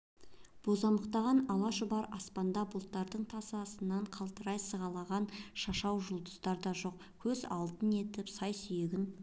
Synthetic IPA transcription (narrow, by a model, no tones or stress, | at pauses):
b̥o̞zɑməqt̪ɑʁɑnɑlˠɑʒʊbɑɾɑspɑnd̪ɑbʊlˠt̪ːɑɾd̪əɴt̪ʰɑsɑsənːɑɴqʰɑlˠt̪əɾɑjsəʁɑlˠɑʁɑnʃɑʃɑwʒʊlˠd̪əst̪ɑɾd̪ɑʒo̞q̚ | kʲʰɵzɑlˠt̪əne̞t̪ɪpsɑjsʏjeɡʲɪn